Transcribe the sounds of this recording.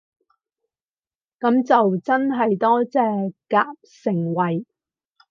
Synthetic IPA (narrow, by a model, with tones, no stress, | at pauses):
kɐ˨˥mt͡sɐ˨wt͡sɐ˥nɦɐ˨jt̪ɔː˥t͡sɛː˨˧kaː˧p̚sɪ˨˩ŋwɐ˨˩j